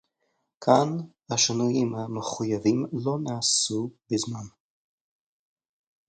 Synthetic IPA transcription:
kʰanhaʃinujimhameχujavimlo̞naːsubizman

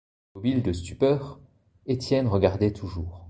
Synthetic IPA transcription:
mɔbild̪əst̪ypœːʁ | et̪jɛnʁəɡaʁd̪ɛt̪ʰuʒuːʁ

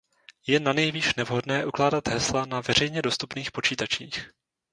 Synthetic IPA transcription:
jɛnanɛjviːʃnɛvɦo̞dnɛːʔuklaːdat̪ɦɛslanavɛr̝ɛjɲɛdo̞st̪upniːxpo̞t͡ʃiːt̪at͡ʃiːx

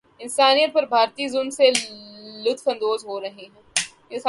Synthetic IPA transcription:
ɪnsaːnijət̪̚pɐɾbʱaːɾt̪iːzʊnselʊt̪ʰfɐ̃nd̪oːzɦoːɾɐɦeɦɛ̃ː | jes

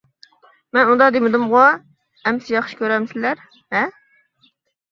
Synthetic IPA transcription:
mɛnund̪ɑd̪emɪd̪ɨmʁɑ | ɛmsɪjɑχʃɪ̥kʲøɾɛmsɪlæɾ | hɛ

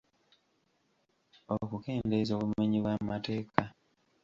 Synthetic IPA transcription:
oβokuke̞ːndezoːβummeɲiβwamate̞ːkʰa

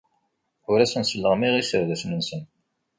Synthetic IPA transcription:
ʊɾæsənsəlːəʁmiʁisəɾðæsnənsən

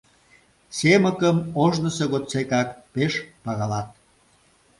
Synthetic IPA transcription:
seməkəmoʒnə̆seɣot̪t͡sekɑkpeʃpɑɣɑlɑt̪̚

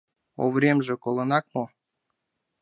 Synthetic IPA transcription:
o̰vɾʲemʒĕkolˠɤ̆nɑk̚mo

